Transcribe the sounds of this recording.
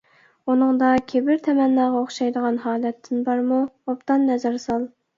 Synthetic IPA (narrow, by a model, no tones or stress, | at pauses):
unɨŋd̪ɑkʲʰebɪɾt̪ʰɛmɛnːɑːʁɑoχʃɑjd̪əʁɑnɦɑːlɛt̪ʰːɪnbɑɾmuopt̪ɑnːɛzɑɾsɑlˠ